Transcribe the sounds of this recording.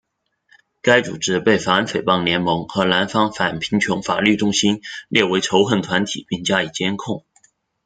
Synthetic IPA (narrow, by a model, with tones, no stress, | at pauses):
ka˥ɪt͡sṵ˨˩ʈ͡ʂɻ̩˥pe˥˩ɪfa˨˩ə˥nfe˨˩ɪpɑ˥˩ŋljɛ˧˥nmɤ˧˥ŋxɤ˧˥la˧˥nfɑ˥ŋfa˨˩npʰi˧˥ŋt͡ɕʰjʊ˧˥ŋfa̰˨˩ly˥˩ʈ͡ʂʊ˥ŋɕi˥nljɛ˥˩we˧˥ɪʈ͡ʂʰo˧˥ʊxə˥˩nt̪ʰwa˧˥nt̪ʰḭ˨˩˦pi˥˩ŋt͡ɕja˥i˨˩t͡ɕjɛ˥nkʰʊ˥˩ŋ